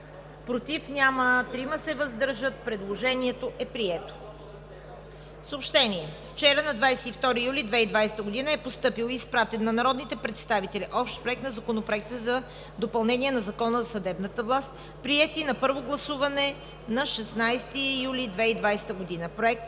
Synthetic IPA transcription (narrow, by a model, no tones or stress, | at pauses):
pɾot̪ifnʲamət̪ɾiməsɛvɐzd̪ɤɾʒət̪̚pɾɛd̪lˠoʒɛniɛt̪oʔɛpɾiɛt̪o̥ | fsəopʃt̪ɛniɛft͡ʃɛɾənɐd̪vajsɛt̪ift̪ɔɾijulʲid̪vɛid̪vajsɛ̥t̪əɡod̪inəɛpost̪ɤpilˠispɾat̪ɛnːɐnɐɾɔd̪nit̪ɛpɾɛt̪st̪avit̪ɛliʔɔpʃt̪pɾoɛk̚t̪nɐzɐkonopɾoɛk̚t̪əzɐ | d̪opɐlˠnɛniɛnɐzɐkɔnəzɐsɐd̪ɛbnət̪əvlˠast̪ | pɾiɛt̪inɐpɤɾvoɡlˠɐsuvɐnɛ | nɐʃɛsnajst̪ijulid̪vɛid̪vajsɛ̥t̪əɡod̪inəpɾoɛk̚t̪